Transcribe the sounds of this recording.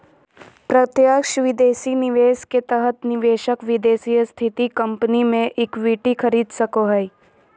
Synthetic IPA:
pɾɐt̪jaːkʃʋɪd̪eːsinɪʋeːsket̪əɦət̪nɪʋeːʃəkʋɪd̪eːsijəst̪ʰɪt̪ikɐ̃mpənimẽʔɪkʋiːʈikʰɐɾiːd̪sɐkoɦɛi

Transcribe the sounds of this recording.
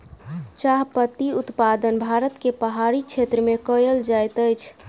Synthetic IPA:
t͡ʃaɦpət̪iut̪pad̪ənbʱaɾət̪kepəɦaɾit͡ʃʰet̪ɾəmekəjəld͡ʒajt̪əjt͡ʃʰ

